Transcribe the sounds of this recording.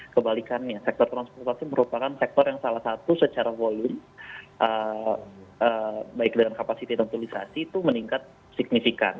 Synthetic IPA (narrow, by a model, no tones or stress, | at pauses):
kəbalikanɲasɛk̚t̪ɔrt̪ɾanspɔrt̪asiməɾupakansɛk̚t̪ɔrjaŋsalahsat̪usət͡ʃaɾavolʊmʔə | əbaɪk̚dəŋankapasit̪idaŋt̪ulisa̰siːt̪uməniŋkat̪̚ | sik̚nifika̰n